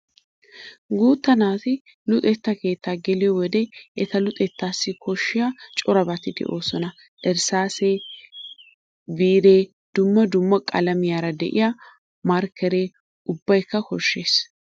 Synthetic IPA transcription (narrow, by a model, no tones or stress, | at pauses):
ɡuːt̪ːɐnaːt̪ɪ | lʊt̪ʼɛt̪ːɐke̞ːt̪ːaːɡɛlɪjɔwɔd̪eʔɛt̪ɐlʊt̪ʼɛt̪ːaːsːɪkʰɔʃːɪjaːt͡ʃʼɔɾɐbɐt̪ɪd̪ɛ̰ʔo̞ːsɔnɐ | ʔɛɾsaːse | biːɾeː | d̪̥ʊmːɐd̪ʊmːɐkʼɐlɐmɪjaːɾɐd̪ɛ̰ʔɪ̰ja | mɐɾkɛɾe̞ː | ʊbːɐjkːɐkɔʃːe̞ːs